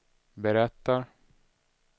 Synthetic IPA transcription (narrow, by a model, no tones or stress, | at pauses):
bɛɾɛt̪ːaɾ